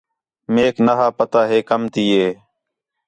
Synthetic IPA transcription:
meːkʰnəɦaːpət̪aːɦeːkəmt̪iːɦeː

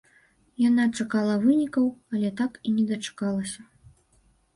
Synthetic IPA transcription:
janat͡ʂakalˠɐvɨnʲikɐwɐlʲɛt̪akinʲɛd̪ɐt͡ʂḁkalˠɐsʲɐ

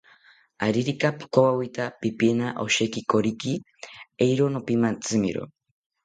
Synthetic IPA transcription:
aɾiɾikapi̥kowawit̪apipienaʔoʃekikoɾiki | ejɾonopimant͡sɨmḭɾo̰

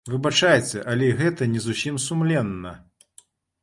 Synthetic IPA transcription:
vɨbat͡ʂajɛt͡sʲɛʔɐlʲɛiɣɛt̪ɐnʲɛzusʲimsumlʲɛnːɐ

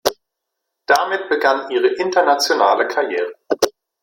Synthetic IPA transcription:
d̥amɪtb̥əɡanʔiːʁ̞əʔɪntɐnat͡sjonaːləkʰaɐjɛːʁ̞ə

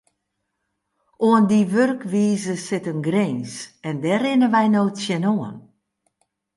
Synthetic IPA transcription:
oəndiʋørkʋiːzəsɪtənɡreːnsɛndɛɾɪnəʋɛjnoːtsjɛnoən

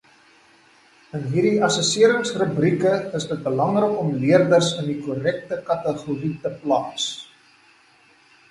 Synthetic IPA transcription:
ənɦirdiʔɐsəsiəɾəŋsrəbrikəəsdət̚bəlɐŋrəkɔmliərdərsəndikuɾɛk̚təkɐtəχuritəplɑːs

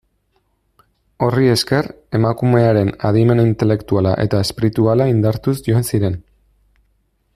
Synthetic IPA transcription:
o̞rie̞ske̞ɾ | e̞makume̞aɾe̞naðime̞nint̪e̞le̞kt̪uala̰ʔe̞t̪ae̞spiɾit̪ualaind̪aɾt̪usʝo̞ensiɾe̞n

